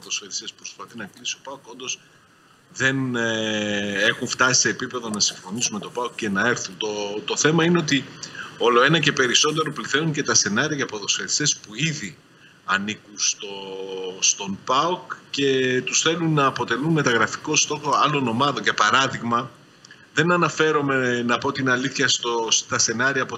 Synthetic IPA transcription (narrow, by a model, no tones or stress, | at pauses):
poðo̞sfeɾist̪e̞spɾo̞spɐθinɐklisio̞pɐuko̞nd̪o̞s | ðe̞n | e̞xuɱft̪ɐsi̥se̞ːpipe̞ðo̞nɐsiɱfo̞nisume̞t̪o̞pɐukce̞nɐe̞ɾθunt̪ot̪o̞θe̞mɐineo̞t̪iolo̞e̞nɐce̞pe̞ɾiso̞t̪e̞ɾo̞pliθenunce̞t̪ɐse̞nɐɾiɐʝɐpoðo̞sfe̞ɾist̪e̞spuiði | ɐnikunst̪o̞st̪o̞npɐokce̞t̪usθe̞lunːɐːpo̞t̪e̞lunme̞t̪ɐɣɾɐfi̥ko̞st̪o̞xo̞ɐlo̞no̞mɐðo̞ɲcepɐɾɐðiɣmɐ | ðe̞nɐnɐfe̞ɾo̞me̞nɐpo̞t̪inɐliθçɐst̪ost̪ɐse̞nɐɾiɐpo